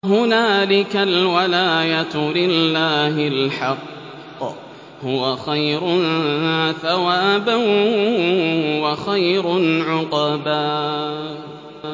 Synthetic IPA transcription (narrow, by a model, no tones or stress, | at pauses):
ɦʊnaːlɪkalwalaːjat̪lɪlːaːɦɪlħɑqː | hʊwaxajɾʊnθawaːbaw | hʊwaxajɾʊʕʊqɑbaː